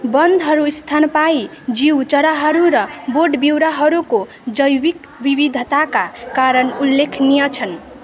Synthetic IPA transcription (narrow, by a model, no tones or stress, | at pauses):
bʌnd̪ʱɦʌɾust̪ʰanpai | d͡ziwt͡ʃʌɾaɦʌɾuɾʌboɖbiwɾaɦʌɾuko | d͡zʌjwik | bibid̪ʱt̪akakaɾʌnulːekʰnijʌt͡sʰʌn